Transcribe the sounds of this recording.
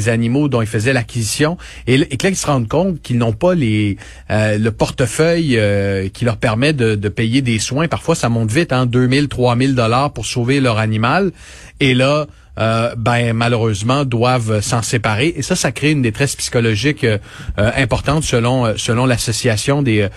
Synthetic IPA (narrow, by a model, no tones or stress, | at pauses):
zanimod̪ɔ̃ilfəzɛlakʲizisjɔ̃ | eeklailsəʁɑ̃d̪̚kɔ̃t̪kʲilnɔ̃pale | øləpɔʁt̪əfœjøkʲʰilœʁpɛʁmɛd̪əd̪əpɛjed̪eswɛ̃paʁfwasamɔ̃t̪vɪt̪ɛ̃d̪ømɪlt̪χwamɪld̪ɔlaːʁpʊʁsoːvelœʁanimal | ela | øbɛ̃maløʁøːzmɑ̃d̪wavøsɑ̃sepaʁeʔesʌsakʁeynd̪et̪ʁɛspsi̥kɔlɔʒɪkø | øɛ̃pɔʁt̪ɑ̃t̪səlɔ̃øsəlɔ̃lasɔsiasjɔ̃d̪e